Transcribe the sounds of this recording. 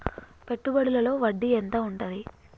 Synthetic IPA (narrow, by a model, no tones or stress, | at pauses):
pe̞ʈːubɐɽulɐlo̞ːʋɐɖːient̪aːuɳʈɐd̪i